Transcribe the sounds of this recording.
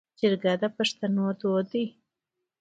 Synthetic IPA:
d͡ʒɪɾɡad̪apaʂt̪anod̪od̪i

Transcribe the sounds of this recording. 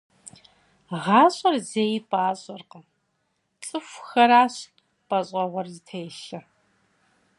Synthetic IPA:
ʁɑːɕʼɐrzejpʼaːɕʼɔrqɐ | t͡sʼɨfʷxɐɾaːɕ | pʼɐɕʼɐʁʷɔrzɨtʰejɪɬɐ

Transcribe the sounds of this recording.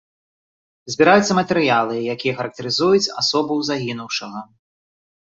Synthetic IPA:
zʲbʲiɾajut̪sːɐmɐt̪ɛɾɨjalˠɨjakʲijɐxɐɾɐk̚t̪ɐɾɨzujut͡sʲa̰sɔbɐwzaɣʲinuwʂɐɣɐ

